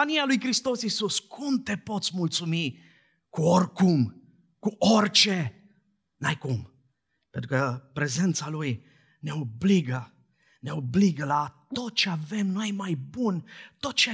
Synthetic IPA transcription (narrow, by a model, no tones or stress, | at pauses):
anialujkɾist̪o̞sisuskʰumt̪e̞po̞t̪sʲmult̪sumi | kuorkum | kuʔort͡ʃe̞ | najkum | pent̪ɾukəpɾe̞ze̞nt̪saluj | ne̞obliɡə | ne̞obliɡəlat̪o̞t̪̚t͡ʃe̞ave̞mnojmajbunt̪o̞t̪̚t͡ʃe